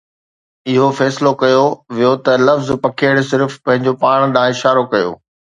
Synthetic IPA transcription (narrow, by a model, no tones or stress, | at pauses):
ɪɦofɛːsɪlokɐjoʋijot̪ɐlɐfzpɐkʰeːɽsɪɾfpɐ̃ɦɪ̃ɲd͡ʑopaːɽ̃ɗ̪ãːɪʃaːɾokɐjo̰ː